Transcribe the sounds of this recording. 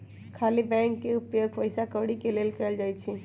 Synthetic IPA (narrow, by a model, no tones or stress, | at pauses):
kʰaːlibɛ̃ŋkːeʊpjoɡpəɪsakəʋɽikeleːlkəld͡ʒaːjt͡ʃʰi